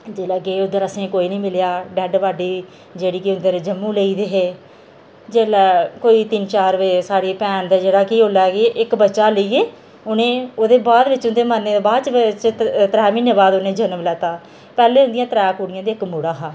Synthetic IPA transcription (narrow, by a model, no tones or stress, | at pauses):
d͡ʒeːlaːɡeːʊd̪əɾəsẽːkoːiːnĩːmɪljaːɖɛːɖʋaːɖiː | d͡ʒeːɽiːkɪʊnd̪əɾd͡ʒəmːũːleiːd̪eːɦeː | d͡ʒeːlɛːkoːiːt̪ɪnt͡ʃaːɾʋeːsaːɽiːpɛːnd̪aːd͡ʒeːɽaːkiːɦoːlaːkeːʔɪkbətːʃaːləiːeː | ʊnẽːoːd̪eːbaːd̪ʋɪt͡ʃʊnd̪eːmanːeːd̪eːbaːd̪t͡ʃt͡ʃt̪ɾɛːminːeːbaːd̪onẽːd͡ʒənəmlɛːt̪aː | pɛːleːɦʊ̃nd̪ɪjãːt̪əɾɛːkuːɽɪjãːd̪iːɪkmuːɽaːɦaː